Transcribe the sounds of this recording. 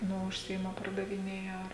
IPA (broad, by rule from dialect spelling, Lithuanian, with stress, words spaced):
ˈnʊ ʊʃʲˈsʲɪɪmɐ pɐrdɐʋʲɪˈnʲeːjɛ ɐr